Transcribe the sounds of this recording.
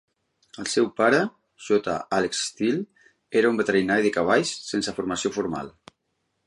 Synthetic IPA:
əlˠsɛwpaɾə | ʒot̪a̰ʔalekst̪il | eɾəumbət̪əɾinaɾiðəkaβ̞aʎsːensəfuɾmasiofuɾma̰lˠ

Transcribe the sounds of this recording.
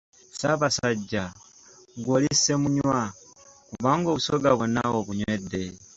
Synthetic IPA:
saβasaɟːa | ɡwolisemuɲwwakuβaːŋɡo̞ːβusoɡaβona̰oβuɲwedːe̞

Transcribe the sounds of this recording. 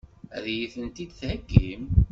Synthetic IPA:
æ̰ðjiθənt̪id̪θhəɡːim

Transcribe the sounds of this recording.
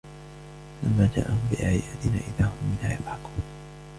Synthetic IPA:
alʔamːaːd͡ʒa̰ːʔahʊmbɪʔaʕɪjaːd̪ɪnaːʔɪðaːhʊmːɪnhaːjɑbˤħɑkuːn

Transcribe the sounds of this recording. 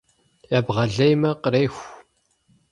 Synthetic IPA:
jaːbʁɐɮɐjmɐqəɾejxʷ

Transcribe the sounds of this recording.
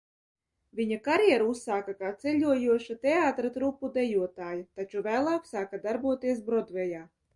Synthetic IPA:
vʲiɲakaɾjɛɛɾusːaːkakaːt̪sɛʎʲuɔjuɔʃat̪eaːt̪ɾat̪ɾupːud̪ɛjuɔt̪aːjat̪at͡ʃuvæːlˠaːksaːkad̪aɾbuɔt̪iɛs̬bɾɔd̪vɛjaː

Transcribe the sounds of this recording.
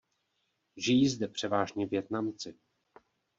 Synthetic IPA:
ʒɪjiːzdɛpr̝̥ɛvaːʒɲɛvjɛt̪namt͡sɪ

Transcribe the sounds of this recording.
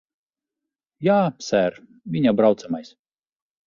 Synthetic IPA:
jaːsʲæɾ | vʲiɲʲabɾawt̪samajs

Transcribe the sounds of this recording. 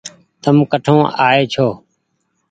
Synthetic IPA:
t̪əmkəʈʰõːʔa̰ːeːt͡ʃʰoː

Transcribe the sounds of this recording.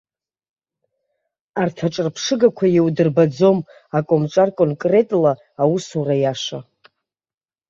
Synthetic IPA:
artʰaʈ͡ʂʼɨrpʰʂɨɡakʷʰajewdɨrbad͡zo̞m | akʼomʈ͡ʂʼarkʼonkʼre̞tʼlaː | wusurajaʂa

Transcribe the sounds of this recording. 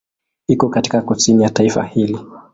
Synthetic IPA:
ikɔkati̥kakusinijataifa̰hili

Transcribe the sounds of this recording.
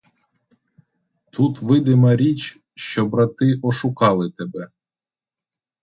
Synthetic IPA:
t̪ut̪ʋɪd̪ɪmɐɾʲit͡ʃ | ʃt͡ʃɔbɾat̪ɪʔɔʃʊkɑlˠɪt̪ɛbɛ

